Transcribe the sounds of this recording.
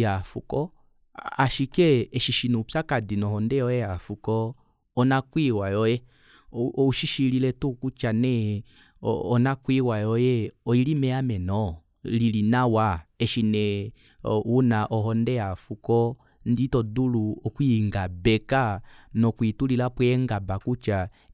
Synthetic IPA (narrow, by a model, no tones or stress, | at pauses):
jafukɔ | aʃikɛɛʃiʃinɛupakadinɔhɔndɛjɔjɛjafukɔː | nakwiwajɔjɛ | uʃiʃililɛtukut͡ʃanɛ̰ | ɔnakwiwajɔjɛɔilimɛamɛnɔ | lilinawaɛʃinɛ | wunaʔɔɦɔndɛjafukɔ | nditɔduluɔkwiŋɡabɛkanɔkwitulilapwɛɛŋɡabakut͡ʃa